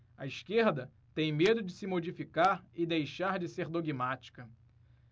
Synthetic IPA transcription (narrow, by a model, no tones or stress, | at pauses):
ɐiʃkeɾd̪ɐ | t̪ẽj̃med̪ʊd͡ʒɪsɪmod͡ʒifikaɾɪd̪ejʃaɾd͡ʒɪseɾd̪oɡimat͡ʃi̥kɐ